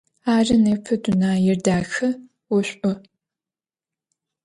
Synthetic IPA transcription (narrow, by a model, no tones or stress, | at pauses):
aːrɐnepʰɨdʊnaːjɪrdaːxɐ | wʊɕʷʼʊ